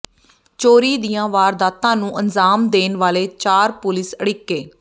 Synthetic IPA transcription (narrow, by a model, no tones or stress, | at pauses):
t͡ʃoːɾiːd̪ijãːʋaːɾd̪aːt̪ãːnũːʔənzaːmd̪eːnʋaːleːt͡ʃaːɾpʊlɪsəɽɪkːeː